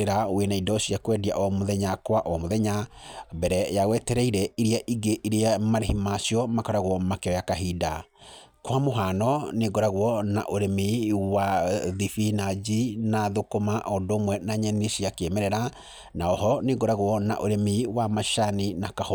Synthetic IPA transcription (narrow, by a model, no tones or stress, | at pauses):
eɾawenaidɔɕiakwɛdiaʔɔmoðɛɲakwaʔɔmoðɛɲabɛɾɛjawɛtɛɾɛiɾɛiɾeaʔiɡeʔiɾeamaɾehimasiɔmakɔɾaɣwɔmakɛɔjakaɦida | kwamoɦanɔneɡɔɾaɣwɔna̰ʔoɾemiwaðifinad͡ʒinaðokomaʔɔndoːmwɛnaɲɛnesiakemɛɾɛɾa | naɔɦɔneɡɔɾaɣwɔna̰ʔoɾemiwamaʃaninakah